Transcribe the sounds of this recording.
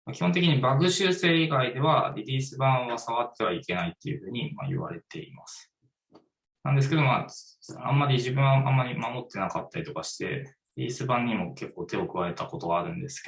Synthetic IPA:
makʲi̥ho̞nt̪e̞k̬ʲiɲ̟ibakɯ̟ɕɨːse̞ːiɡaid̪e̞β̞aɾʲiɾʲiːsɨbãɰ̃oβasaβat̪ːe̞β̞aike̞nait̪ːe̞jɯ̟ɸɯ̟ːɲ̟ima̰ḭβa̰ɾe̞t̪e̞̰imasɨ̥ | nãnd̪esɨ̥ke̞d̪o̞ma̰ː | ã̰mːaɾʲiʑibɯ̟̃ɰ̃aʔãmːaɾʲimamo̞t̪ːe̞nakat̪ːaɾʲit̪o̞kaɕi̥t̪e̞̰ | iɾʲḭːsɨbãɲ̟ːimo̞ke̞kːo̞ːt̪e̞o̞kɯ̟βae̞t̪ako̞t̪o̞ɡaːɾɯ̟̃nd̪e̞sɨ̥k

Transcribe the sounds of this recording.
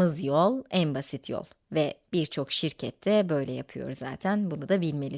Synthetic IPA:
ɯzjolˠænbasit̪ʰjo̰lˠ | vɛb̥iɾt͡ʃʰo̞kʃiɾcʰɛt̪ʰːɛbø̞jlʲɛjapʰɯjo̞̰ɾza̰ːt̪ʰænbunud̪abilʲme̞lʲi

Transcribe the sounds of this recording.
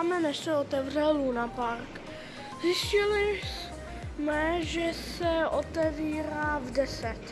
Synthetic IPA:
mɛnɛʃsɛot̪ɛvr̝ɛllunapaɾk | zɪscɪlɪs | mɛʒɛsɛʔot̪ɛviːɾaːvdɛsɛt̪

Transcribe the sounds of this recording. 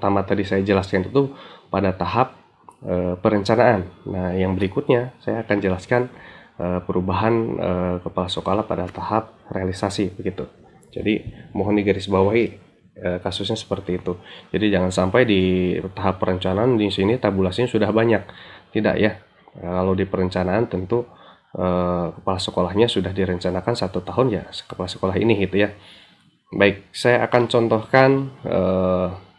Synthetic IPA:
t̪amat̪adisajad͡ʒəlaskanit̪upadat̪aɦap̚ | əːəɾəɲt͡ʃanaːnːahjaŋbəɾikʊt̪̚ɲasajaːkand͡ʒəlaskanʔəːpəɾubaɦanə̰kəpalasokolapadat̪ahap̚realisasibəɡit̪u | d͡ʒa̰dimɔɦɔndiɡəɾɪsbawaɦi | əkasʊsɲasə̥pərt̪iːt̪ud͡ʒadid͡ʒaŋansampajdit̪aɦapːəɾəɲt͡ʃanaːndisinit̪abulasɲasudahbaɲak̚t̪ida̰ʔja | kalawdipəɾəɲt͡ʃanaːnt̪ənt̪u | ʔəkə̥palasəkolahɲasudahdiɾəɲt͡ʃanakansat̪ut̪aɦʊnja̰kəpalasə̥kolaɦḭnɪɡit̪uja | baɪk̚sajaakant͡ʃɔnt̪ɔhkanʔə̰

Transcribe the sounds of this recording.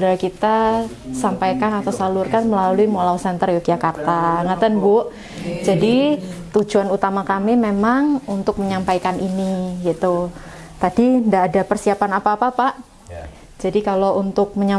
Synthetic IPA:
sudaɾakit̪a | sampajkanat̪awsalurkanməlaluimolawsɛnt̪ərjokjakart̪aŋat̪ənbuʔ | d͡ʒadit̪ud͡ʒuanut̪amakamimemaŋunt̪ʊk̚məɲampajkaniniɡit̪u | t̪adindaːdapərsiapanapaːpapaʔ | d͡ʒadikalount̪ʊk̚məɲa

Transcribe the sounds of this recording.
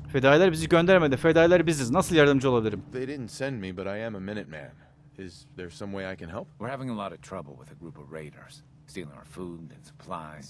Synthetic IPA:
fed̪aːjlʲæɾbiziɟønd̪æɾmed̪ænfed̪aːjlʲæɾbizd̪ɛznasɯlˠjaɾd̪ɯmd͡ʒɯoabilʲiɾimðeɪɾɪdⁿn̩tsɛ̃ndmibʌɾaɪɨ̃məmɪ̃nɨt̚mæ̰̃n | ɪzðə̥˞sʌ̃mweɪaɪkʰɨ̃nɦɛlˠp̚wɨɹhævɪ̃ŋəlˠɔɾʌv̥tʰɹ̥ʌbl̩ˠwɪ̰ðɨɡɹupʌvɹeɪɾə̰˞z̥ | stilˠɪ̃ŋa̰ʊə˞fudɨ̃nsə̥pʰl̥a̰ɪz̥

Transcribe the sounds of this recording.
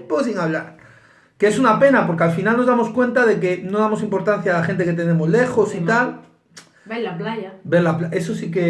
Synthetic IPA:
posiŋaβlaɾ | keesunape̞napo̞ɾkealfinalno̞zðamo̞skwe̞nt̪að̞e̞kenoðamo̞simpo̞ɾt̪an̟θjaːlaxe̞nt̪eket̪e̞ne̞mozle̞xo̞sit̪al | baplaabeɾlaplaesosike

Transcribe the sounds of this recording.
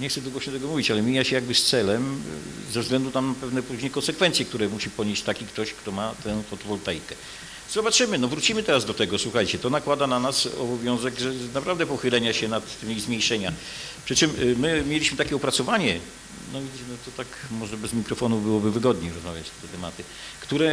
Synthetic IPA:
ɲɛxt̪sɛd̪uɡɔɔɕɛt̪ɛɡɔmuvʲit͡ɕalɛmʲijaɕɛjaɡ̚bɘst̪sɛlɛmzɛvzɡlɛnd̪unampɛvnɛpuʑɲejkɔnsɛkfɛnt̪sʲjɛkt̪uɾɛmuɕipɔɲeɕt͡ɕt̪akʲikt̪ɔɕkt̪ɔmat̪ɛw̃fɔt̪ɔvɔlt̪ɛjkɛ | zɔbatʂɘmɘnɔvɾut͡ɕimɘt̪ɛɾazd̪ɔt̪ɛɡɔswuxajt͡ɕɛt̪ɔnakwad̪ananasɔ̰bɔvʲjɔ̃w̃zɛɡʐɛnapɾavd̪ɛpɔxɘlɛɲaɕɛnat̪ːɘmʲizmʲjejʂɛɲa | pʂɘt͡ʂɘmːɘmʲjelʲiɕmɘt̪akʲɛɔpɾat̪sɔvaɲɛ | nɔvʲiɛnɔt̪ɔt̪akmɔʐɛbɛzmʲikɾɔfɔnubɘwɔbɘvɘɡɔd̪ɲeɾɔzmavʲjat͡ɕt̪ɛt̪ɛt̪ɛmat̪ɘ | kt̪uɾɛ

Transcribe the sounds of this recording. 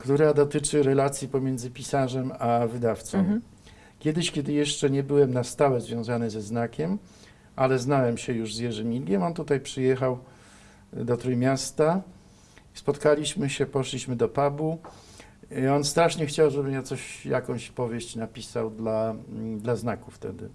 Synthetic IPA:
kt̪uɾad̪ɔt̪ɘt͡ʂɘɾɛlat̪sʲjipɔmʲjɛnd̪zɘpʲisaʐɛmavɘd̪aft̪sɔ̃mm | kʲjɛd̪ɘɕkʲɛd̪ɘjɛʂt͡ʂɛɲɛbɘwɛmnast̪awɛzvʲjɔ̃w̃zanɘzɛznakʲɛm | ʔalɛznawɛmɕɛjuʐzjɛʐɘmʲilɡʲɛmɔnt̪ut̪ajpʂɘjɛxaw | d̪ɔt̪ɾujmʲjast̪a | spɔt̪kalʲiɕmɘɕɛpɔʂlʲiɕmɘd̪ɔpabu | ɔnst̪ɾaʂɲɛxt͡ɕawʐɛbɘmjat̪ɔɕja̰kɔ̃w̃ɕpɔvʲjeɕt͡ɕnapʲisawd̪lad̪laznakuft̪ɛ̰d̪ɘ̰

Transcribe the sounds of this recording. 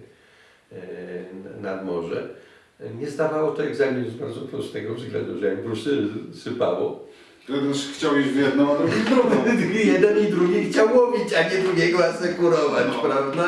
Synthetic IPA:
nad̪mɔʐɛ̰ | ɲɛsd̪avawɔt̪ɔɛɡzamʲizbaɾd̪zɔpɾɔst̪ɛɡɔvzɡlɛ̰̃nd̪uʐɛjaɲpɾɔst̪ɛsɨpa̰wɔ̰ | t̪ɛd̪nɛʃxt͡ɕawiʑvʲjɛd̪nɔ̃alnɔɛd̪ɾuɡʲijɛd̪ɛnid̪ɾuɡʲixt͡ɕawɔbʲit͡ɕaɲɛd̪ɾuɡʲɛɡɔasɛkuɾɔvat͡ɕpɾavd̪a

